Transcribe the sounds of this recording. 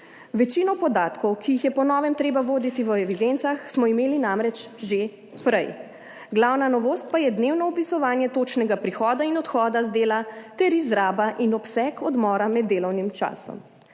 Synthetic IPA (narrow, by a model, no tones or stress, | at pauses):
ʋɛt͡ʃinɔpɔd̪aːt̪kɔwkijixjɛpɔnɔːʋɛmt̪ɾeːbaʋoːd̪it̪iʋəɛʋid̪ent̪saxsmɔimeːlinamɾɛt͡ʃʒe | pɾɛj | ɡlawnanɔʋoːst̪̚pajɛd̪neːwnɔɔpisɔʋaːnjɛt̪oːt͡ʃnɛɡapɾixɔːd̪ainɔt̪xɔːd̪azd̪eːlat̪ɛɾizɾaːbaʔinɔpsɛkɔd̪mɔːɾamɛd̪ːeːlɔwnimt͡ʃa̰ːsɔ̰m